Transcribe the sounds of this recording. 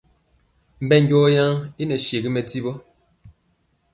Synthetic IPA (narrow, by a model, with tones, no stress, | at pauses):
m̩˨bɛ˦˨ŋ˦ɡɔː˦ja˦ŋi˦nə˨ʃe˨ɡi˦mɛ˨ti˦bɔ˦